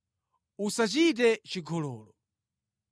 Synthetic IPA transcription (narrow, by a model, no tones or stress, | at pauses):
usat͡ʃit̬ɛt͡ʃiɡʱɔlɔːlɔ